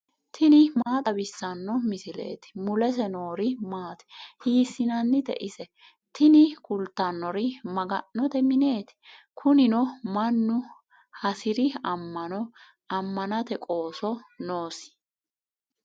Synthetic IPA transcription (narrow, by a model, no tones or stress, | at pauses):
t̪ʰɪnɪmaːt̪ʼɐbɪsːɐnːɔmɪsɪle̞̰ːt̪ɪ̥mʊlɛs̬ɛno̞ːɾɪmaːt̪ɛ̥hiːsːɪnɐnːɪd̪ɛ̰ʔɪsɛ | t̪ʰɪnɪkʊlt̪ːɐnːɔɾɪmɐɡɐnːɔt̪ɛmɪne̞ːt̪ɪ̥ | kʰʊnɪnɔmɐnːʊ | hɐsɪɾɪɐmːɐnɔ | ɐmːɐnɐt̪ɛkʼo̞ːsɔno̞ːsɪ̥